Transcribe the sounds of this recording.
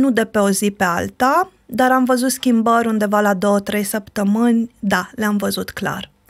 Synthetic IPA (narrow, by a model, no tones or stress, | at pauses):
nud̪e̞pe̞o̞zipe̞a̰lt̪a | d̪aɾamvəzut̪skʲimbəɾʲund̪e̞valad̪o̞wət̪ɾe̞jsəpt̪əmɨnʲd̪aleamvəzut̪kla̰r